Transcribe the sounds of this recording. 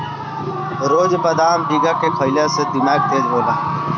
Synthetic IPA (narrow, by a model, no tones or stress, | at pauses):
ɾoːd͡ʒpəd̪aːmbiːɡaːkeːkʰəjlaːsed̪ɪmaːɡ̚t̪eːd͡ʒboːlaː